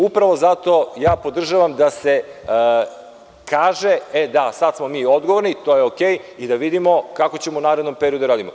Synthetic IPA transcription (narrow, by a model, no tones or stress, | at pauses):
upɾaʋo̞zat̪o̞jaːpo̞d̪r̩ʒaʋamd̪ase̞ | kaːʒeed̪asad̪smo̞miːo̞d̪ɡoʋoɾnit̪ojeokeːjid̪aʋid̪imo̞kako̞t͡ɕemounaːɾed̪nompeɾijod̪uɾaːd̪imo